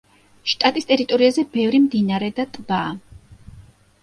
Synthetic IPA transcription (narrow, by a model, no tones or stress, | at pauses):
ʃt̪ʼat̪ʼist̪ʼɛɾit̪ʼɔɾiazɛbɛvɾimd̪inaɾɛd̪at̪ʼbaː